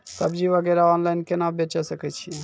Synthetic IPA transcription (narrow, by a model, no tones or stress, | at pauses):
sɐbd͡ʒiʋəɡɛɾaɔːnlaɪnkenabet͡ʃasəkət͡ʃʰie